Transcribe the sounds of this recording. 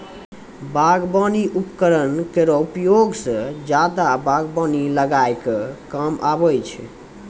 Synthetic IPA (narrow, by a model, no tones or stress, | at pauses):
baɡbɔniʔupkəɾənkeɾɔupjoɡsə̃d͡ʒad̪abaɡbɔniləɡajkekəmabəjt͡ʃʰ